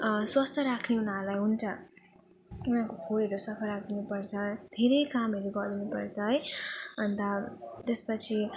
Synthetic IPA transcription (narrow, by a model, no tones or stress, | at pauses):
swʌst̪ʌɾakʰneunaɾlajɦunt͡sʌ | unãkokʰoeɾosʌpʰʌɾak̚d̪inupʌrt͡sʌd̪ʱeɾejkameɾubʌd̪inupʌrd͡zʌjʌnt̪at̪espʌt͡sʰi